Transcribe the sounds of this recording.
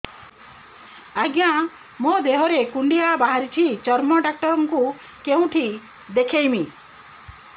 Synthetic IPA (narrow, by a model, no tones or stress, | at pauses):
aɡjã | mod̪eɦɔɾekuɳɖiabaɦaɾit͡ʃʰit͡ʃɔɾmɔɖak̚ʈɔɾɔŋku | keũʈʰi | d̪ekʰejmi